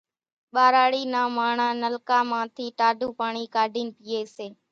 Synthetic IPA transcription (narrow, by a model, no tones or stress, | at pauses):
ɓaːɾaːɽiːnãːmaːɳãːnəlkaːmãːt̪ʰiːʈaːɖʱuːpaːɳiːkaːɖʱiːnpiːeːseː